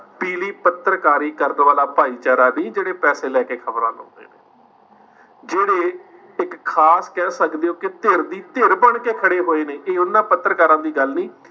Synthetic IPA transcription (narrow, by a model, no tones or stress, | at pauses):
piːliːpət̪ɾkaːɾiːkəɾnʋaːlaːpaːiːt͡ʃaːɾaːnĩːd͡ʒeːɽeːpɛːseːlɛːkeːkʰəbɾãːlo̰ːd̪ḛːnḛː | d͡ʒeːɽeː | ɪkʰːaːskɛːsəkd̪eːoːkɪt̪eɾd̪iːt̪ɪɾbəɳkeːkʰəɽeːɦoːeːneːʔeːʊnːãːpət̪ːəɾkaːɾãːd̪iːɡəlnĩː